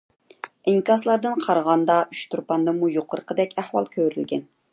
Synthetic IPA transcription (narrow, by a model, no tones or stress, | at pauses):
ɪŋkɑslˠɑɾd̪ɨnqʰɑɾʁɑnd̪ɑyt͡ʃt̪ʰuɾpɑnd̪ɨmujoqʰəɾəqʰəd̪ɛkʲʰæhwɑ̰lˠkʲʰøɾylɡʲɛ̰n